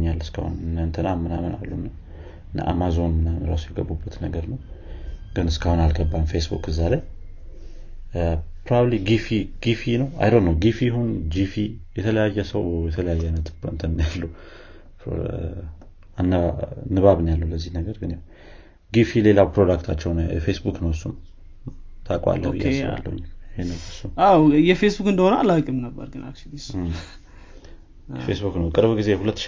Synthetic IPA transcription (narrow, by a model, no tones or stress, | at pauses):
ɲalːɨskʰa̰hṵnɨnt̪ʰənamɨnaməna̰lːunːa | n̰ʔa̰mazo̞nɨnːaɾasujɛɡəbːubːət̪nəɡəɾnəw | ɡ̥ɨnɨskahunalɡəbːanfesbṵkɨzaləj | pɾoβabliɡifiɡ̥ifinəwa̰jɾonːəwɡifihund͡ʒifijɛt̪ʰələjajːɛsəwjɛt̪ʰələjajːɛanːət̪bɨnt̪ʰəmnjalːu | pɾo̰ | anːənːɨβaβɨnjalːəwləzːihnəɡəɾɡɨnjeh | ɡifile̞lawpɾod̪akt̪ʰat͡ʃːɛwnɛ̰fe̞sbuknəwɨsːum | t̪ʰakʼa̰lːəhɨ̰jːasβa̰lːə̰wɨ̰ɲːɪhenəwɨsːumawjɛfesbukɨnd̪əhonəalakʼimnəbːə̰ɾɡɨna̰t͡ʃɪnis | fesbuknəwkʼɨɾβɡize̞hulət̪ːʃ